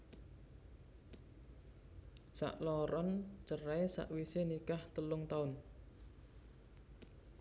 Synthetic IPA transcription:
sa̰ʔlɔɾɔnt͡ʃəraesa̰ʔwisenikaht̪əlʊŋt̪aʊn

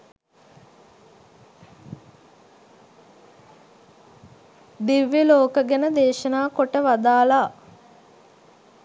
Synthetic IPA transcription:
d̪iʋjəloːkəɡenəd̪eːʃənaːkoʈəʋad̪aːlaː

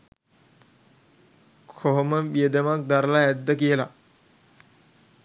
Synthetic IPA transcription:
kʰoɦoməʋijed̪əmak̚d̪aɾəlaæd̪ːəkijəla

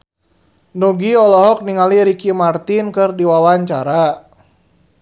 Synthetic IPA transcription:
nuɡiɔlɔɦɔk̚niŋaliɾikimart̪inkɨrdiwawaɲt͡ʃaɾa

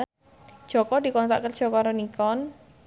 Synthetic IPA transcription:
ʒ̥ɔ̤kɔd̪̥i̤kɔnt̪a̰ʔkərd̥ʒ̥ɔ̤kɔaɾonikɔn

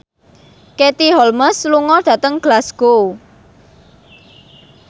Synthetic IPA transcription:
ket̪iɦɔlməsluŋɔd̪̥ä̤t̪əŋɡ̥lasɡ̥o

